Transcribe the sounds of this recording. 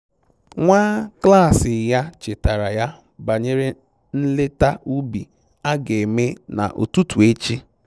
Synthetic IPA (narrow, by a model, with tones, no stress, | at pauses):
ŋʷaː˦kla˦˨sɪ˨ja˦t͡ʃɪ˨ta˨ɾa˨ja˦ | ba˨ɲe˦ɾe˦ | n̩˦le˦ta˦u˦bi˨ | a˦ɡe˨me˦na̰˨ʔo̰˨tu˦tu˨e˦t͡ʃi˦